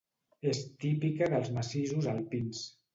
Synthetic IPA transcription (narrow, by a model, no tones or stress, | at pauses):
est̪ipikəðəlˠzməsiʒuzalˠpins